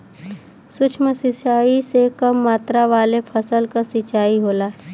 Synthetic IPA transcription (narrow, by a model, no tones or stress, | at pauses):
sʊt͡ʃʰməsɪt͡ʃaːisekɐmːaːt̪ɾaʋaːlepʰəsəlkasɪt͡ʃaːiɦoːlaː